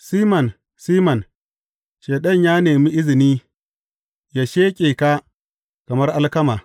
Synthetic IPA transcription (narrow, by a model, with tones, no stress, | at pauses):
siː˦mɐ˨n | siː˦mɐ˨n | ʃeː˨ɗɐ˦˨ɲjaː˦neː˨mi˦ʔɪ˦zɪ˨niː˦ | ja˨ʃeː˦kʲʼeː˨ka˦ | kɐ˨mɐ˦rʔa˦lkɐ˦maː˨